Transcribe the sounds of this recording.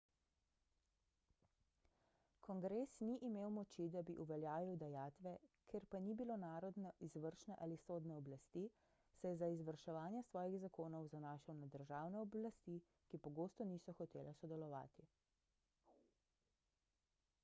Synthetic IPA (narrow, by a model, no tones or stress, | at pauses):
kʰɔŋɡɾesniʔimeːwmɔt͡ʃid̪abiʔuʋɛljaːʋiwd̪ɛjaːt̪ʋɛkʰeɾpanibilonaːɾɔd̪nɔʔizʋəɾʃnɛʔalisoːd̪nɛɔblast̪i | sɛjɛzaizʋəɾʃɛʋaːnjɛsʋɔːjiɣzakoːnɔwzanaːʃəwnad̪əɾʒaːwnɛɔblast̪i | kipɔɡoːst̪ɔniːsɔxɔt̪eːlɛsɔd̪ɛlɔʋa̰ːt̪i